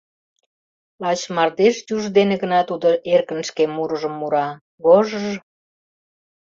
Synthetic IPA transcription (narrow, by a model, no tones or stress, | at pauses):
lɑt͡ɕmɑrd̪eʃjuʒd̪eneɣənɑt̪ud̪oʔerkə̆nʃkemuɾəʒəmːuɾɑ | ɣoʒəʒ